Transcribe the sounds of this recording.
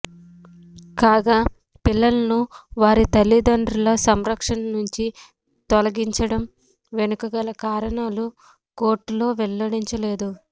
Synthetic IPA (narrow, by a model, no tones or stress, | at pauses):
kaːɡaː | pilːɐlɐnuʋaːɾit̪ɐlːid̪ɐɳɖɾulɐsɐmɾɐkʂɐnɐnuɲt͡ʃi | t̪ɔlɐɡiɲt͡ʃɐɽɐm | ʋenukɐɡɐlɐkaːɾɐnaːlu | ko̞ːɾʈːlo̞ːʋɛlːɐɽiɲt͡ʃɐle̞ːd̪u